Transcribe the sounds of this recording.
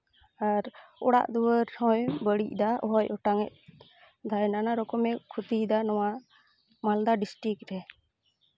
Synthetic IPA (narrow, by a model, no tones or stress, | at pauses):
aɾɔɽa̰ʔd̪ɔwəɾhɔ̃jbəɽḭc̚d̪aʔɔɦɔjɔʈaŋɛʔ̚ | d̪ʱajnanaɾɔkɔmɛkʰut̪id̪anɔwa | mald̪aɖisʈɾik̚ɾɛ